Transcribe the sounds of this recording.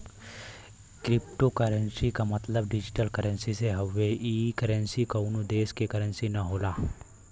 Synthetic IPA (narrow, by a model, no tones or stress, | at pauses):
kɾɪpʈokɐɾənsikamɐt̪ləbɖɪd͡ʒɪʈəlkɐɾə̃nsiseɦɐʋeʔiːkəɾə̃nsikɐʊnod̪eːskekɐɾənsinɐɦoːlaː